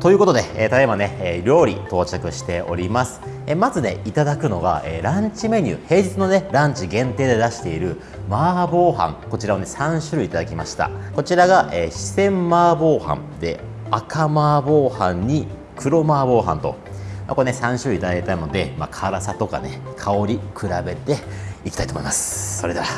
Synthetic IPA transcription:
t̪o̞jɯ̟ːko̞t̪o̞d̪e̞eːt̪at̪ebane̞eɾʲo̞ːɾʲḭt̪o̞ːt͡ɕakɯ̟ɕi̥t̪e̞o̞̰ɾʲimasɨ̥ | emazɨne̞̰it̪ad̪akɯ̟no̞ɡa̰ḛːɾãɲ̟t͡ɕime̞ɲ̟ɯ̰ːhe̞ːd͡ʑit͡sɨno̞ne̞ɾãɲ̟t͡ɕiɡẽ̞nt̪e̞ːd̪e̞d̪aɕi̥t̪e̞iɾɯ̟ | maːbo̞ːhã̰ŋko̞t͡ɕiɾaone̞sãɰ̃ɕɨɾɯ̟it̪ad̪akʲimaɕi̥t̪a̰ko̞t͡ɕiɾaɡaʔeːɕi̥sẽ̞mːaːbo̞ːhã̰nd̪e̞̰ | akamaːbo̞ːhãɲ̟ɲi | kʰɯ̟ɾo̞maːbo̞ːɦã̰nt̪o̞̰ | ma̰ko̞nesãɰ̃ɕɨɾɯ̟it̪ad̪akʲet̪aino̞d̪e̞ma̰ːkʰaɾasat̪o̞ka̰ne̞kʰao̞ɾʲikʰɯ̟ɾabe̞t̪e̞ikʲi̥t̪ait̪omoimasɨ̥so̞ɾe̞d̪ea

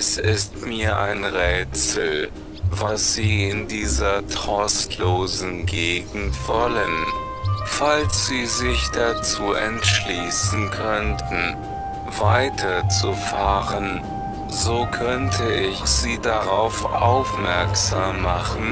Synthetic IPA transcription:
ɛsɪstmiːɐʔaɪnʁɛːt͡sl̩ | vasz̥iːɪndiːzɐtʁ̥ɔstʰloːzn̩ɡeːɡŋ̩tv̥ɔlən | falsz̥iːzɪçd̥at͡suːʔɛ̰ntʃliːsn̩kʰœntn̩ | vaɪtʰɐt͡sufaːʁən | zokʰœntʰəɪçz̥iːdaʁaʊfʔa̰ʊfmɛɐkz̥aːmːaχn̩

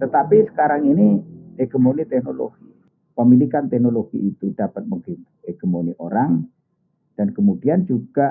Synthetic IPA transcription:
t̪ət̪apisə̥kaɾaŋinieɡ̥əmonit̪ɛhnolo̰ɡi | pəmilikant̪ɛhnoloɡ̥ḭːt̪ud̥apət̪̚məŋɡint̪eɡ̥ə̤moniʔoɾaŋ | d̥ankəmudiand͡ʒuɡ̥a

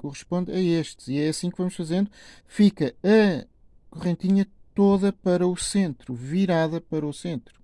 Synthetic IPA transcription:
kuʁɨʃpõnd̪ɐeʃt̪ɨ̥ziɛɐsĩkvɐmuʃfɐzẽnd̪u | fikɐɐ | kuʁẽnt̪iɲɐt̪oðɐpɐɾɐusẽnt̪ɾuviɾaðɐpɐɾɐusẽnt̪ɾu

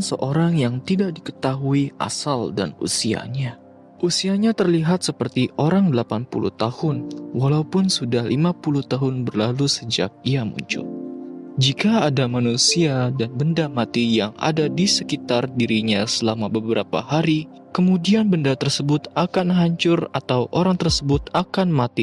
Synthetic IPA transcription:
nsəʔoɾaŋjaŋt̪idak̚dikə̥t̪aɦuiʔa̰salda̰nṵsia̰ɲa | ʔusiaɲat̪ərliɦat̪̚səpərt̪iʔoɾaŋdəlapanpṵlṵht̪ahʊnwalaupʊnsudahlimapuluht̪aɦʊnbərlalusəd͡ʒa̰k̚iamṵɲt͡ʃʊ̰ld͡ʒikaːdamanusiadanbəndamat̪ijaŋa̰dadisəkit̪ardiɾiɲasəlamabəbəɾapa̰ɦaɾi | kəmudianbəndat̪ərsəbʊt̪akanɦaɲt͡ʃʊrat̪awʔoɾaŋt̪ərsəbʊt̪akanmat̪i

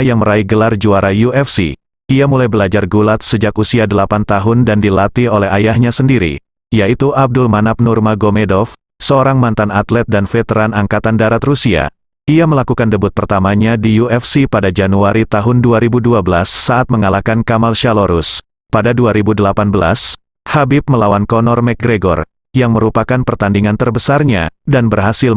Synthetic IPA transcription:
jaŋməɾaiɡəlard͡ʒuaɾajuɛfsḭ | iamulajbəlad͡ʒarɡulat̪̚səd͡ʒakusiadəlapant̪aɦʊndandilat̪iɦolɛɦajahɲasəndiɾḭ | jait̪uʔab̚dulmanap̚nurmaɡomedɔf | səoɾaŋmant̪anat̪lɛt̪̚danfət̪əɾanaŋkat̪andaɾat̪rusia̰ | iaməlakukandəbʊt̪̚pərt̪amaɲadijuɛfsipadad͡ʒanuaɾit̪aɦʊnduaɾibuduabəlasːaʔat̪̚məŋalakankamalʃaloɾus | padaduaɾibudəlapanbəla̰s | habɪp̚məlawankɔnɔrmɛk̚ɡɾeɡɔ̰r | jaŋməɾupakanpərt̪andiŋant̪ərbəsarɲa̰danbərɦasɪl

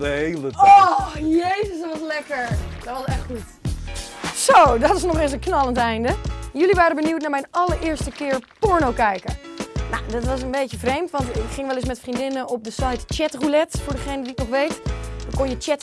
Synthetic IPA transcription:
əhejlˠəɔjejzəstʋɑslɛkəɹdɔtʋɑstɛxχut | sodɔtɪsnɔχɪs̬ənknɑlˠəntɛjndəjøliʋaːɾəbəniwtnamɛjnɑləɹɪːɹstəkɪːɹpɔɹnowkɛjkəna̰dɔtʋɑs̬ənbejjəvrejmtʋɑntɪkχɪŋʋɛlɪs̬mɛtfrindɪnəɔp̚dəsajtt͡ʃɛtrulɛtfʊːɹdəχejnədiɪk̚nɔχʋejtəkonjət͡ʃɛt

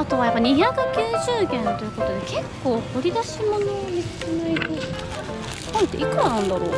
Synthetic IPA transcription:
at̪o̞β̞ajapːaɲ̟içakɯ̟kʲɨːʑɨːɡʲẽnt̪o̞jɯ̟ko̞t̪od̪eke̞kːo̞ːt̪o̞ɾʲid̪aɕimonomʲiskenaiko | nãnt̪ːe̞ʔikanãnd̪aɾo̰ː

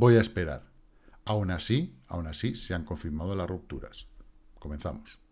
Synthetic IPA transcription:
bo̞jaespe̞ɾa̰ɾ | awnasiawnasiseaŋko̞ɱfiɾmað̞o̞lasrup̚t̪uɾa̰sko̞mẽ̞nθa̰mos

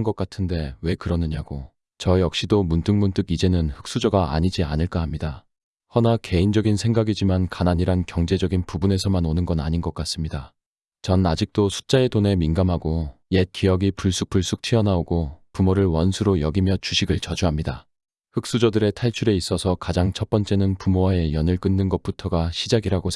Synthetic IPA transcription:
nɡʌk͈atʰɯnde̞we̞kɯɾʌnɯɲaɡo | t͡ɕʌjʌk̚ɕ͈idomuntʰɯŋmunt͈ɯɡid͡ʑe̞nɯnɸɯ̥k̚s͈ud͡ʑʌɡaa̰ɲid͡ʑia̰nɯɭk͈aɦamɲida | hʌnake̞ind͡ʑʌɡinsʰe̞ŋɡaɡid͡ʑimankanaɲiɾankjʌŋd͡ʑe̞d͡ʑʌɡinpubune̞sʰʌmanonɯnɡʌna̰ɲinɡʌk͈as͈ɯmɲida | t͡ɕʌnad͡ʑik̚t͈osʰu̥t͡ɕ͈ae̞tone̞minɡamɦaɡoje̞t̚k͈ijʌɡipuɭs͈uk̚p͈uɭs͈uk̚tʰiʌnaoɡopumoɾɯɭwʌnsʰuɾojʌɡimjʌt͡ɕuɕʰiɡɯɭt͡ɕʌd͡ʑuɦamɲida | ɸɯk̚s͈ud͡ʑʌdɯɾe̞tʰaɭt͡ɕʰuɾe̞is͈ʌsʰʌkad͡ʑaŋt͡ɕʰʌp͈ʌnt͡ɕ͈e̞nɯnpumoae̞jʌnɯɭk͈ɯnːɯnɡʌp͈utʰʌɡaɕʰid͡ʑaɡiɾaɡo

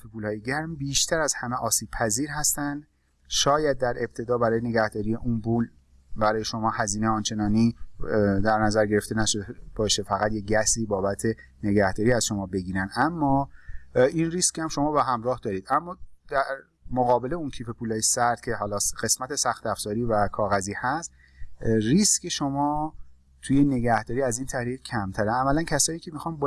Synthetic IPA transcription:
fepuːlhɒːjeɟæɾmbiːʃt̪ʰæɾæz̥hæmeʔɒːsiːb̥pʰæziːɾɦæst̪ænd̪ | ʃɒːjæd̪̚ːæɾe̞b̥̚t̪ʰe̞d̪ɒːbæɾɒːjene̞ɡæhd̪ɒːɾije̞ʔunbuːl | bæɾɒːjeʃo̞mɒːhæziːnejɒːnt͡ʃʰe̞nɒːni | d̪æɾnæzæɾɟe̞ɾe̞ft̪e̞næʃoebɒːʃe̞fæɣæt̪jeɟæsiːbɒːbæt̪ʰe̞ne̞ɟæhd̪ɒːɾiːæzʃo̞mɒːbe̞ɟiːɾænd̪ʔæmːɒː | inriːscʲhæmʃo̞mɒːbeɦæmɾɒːhd̪ɒːɾiːd̪æmːɒːd̪̥æɾ | moɣɒːbe̞le̞uncʰiːpʰe̞pʰuːlɒːjesæɾd̪̥̚cʲʰe̞hɒːlɒːɢe̞smæt̪ʰe̞sæxt̪æfz̥ɒːɾiːvækʰɒːɣæziːhæst̪ | riscʰeʃomɒː | t̪ʰuːje̞ne̞ɡæhd̪̥ɒːɾiːæziːnt̪ʰæhɾiːɣcʰæmt̪ʰæɾeæmːælæncʰæsɒːjiːcʰe̞mixɒːnb

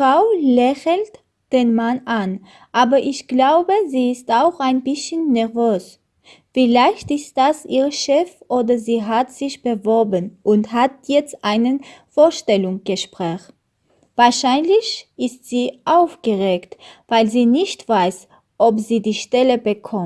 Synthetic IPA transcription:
fʁ̥aʊlɛçl̩t | d̥eːnmanʔan | ʔaːbɐʔɪçɡ̥laʊbəziːɪstaʊxaɪnbɪsçənːɛɐvøːs | fɪlaɪçtɪst̚d̥asʔiːʁəʃɛfʔoːdɐziːɦatz̥ɪçb̥əvɔɐbənʔʊnthat̚jɛt͡stʔaɪnənfoːɐʃtɛlʊŋɡ̥əʃpʁ̥ɛːx | vaːɐʃaɪnlɪçʔɪstz̥iːʔaʊfɡ̥əʁeːktv̥aɪlziːnɪçtv̥aɪs | ʔɔpziːdiːʃtɛləbəkʰɔm

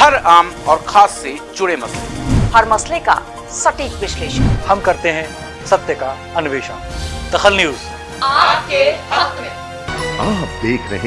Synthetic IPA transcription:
hɐɾaːmɔːɾxʰaːsːed͡ʒʊɽemɐslḛhɐɾmɐsleka̰ | sɐʈiːkʋɪʃleːʃənhɐmkɐɾt̪eɦɛ̃ | sɐbt̪əka | ɐnʊʋeːʃə̰nd̪̥ɐxəlnjuːz | aːp̚keɐt̪mẽ | aːp̚d̪eːkʰɾɐɦẽ

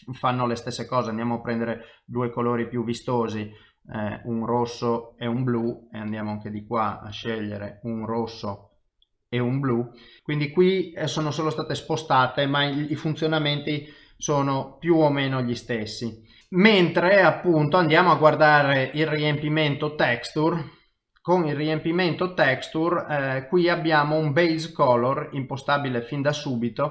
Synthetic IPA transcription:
fanːolest̪esːekɔːzeand̪jaːmoapːɾɛnd̪eɾed̪uːekoloːɾipjuvːist̪oːzi | ɛunrosːoɛumblueand̪jaːmoaŋked̪ikwa̰a̰ʃːɛʎːeɾeunrosːo | eumblukwind̪ikwisoːnosoːlost̪aːt̪espost̪aːt̪emaifunt̪sjonament̪i | soːnopjuomeːnoʎist̪esːi | ment̪ɾeapːunt̪oand̪jaːmoaɡward̪aːɾeilriempiment̪ot̪ɛkst̪ur | koŋilriempiment̪ot̪ɛkst̪urkwiabːjaːmoumbejzkɔlorimpost̪aːbilefind̪asuːbit̪o

